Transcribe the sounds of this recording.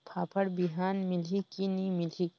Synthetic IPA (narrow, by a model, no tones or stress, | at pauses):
pʰaːpʰəɽbiɦaːnmɪlikinimɪli